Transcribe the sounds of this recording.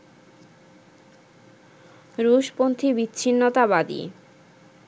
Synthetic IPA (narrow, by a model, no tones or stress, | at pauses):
ɾuʃpont̪ʰibitːɕʰinːot̪abad̪ḭ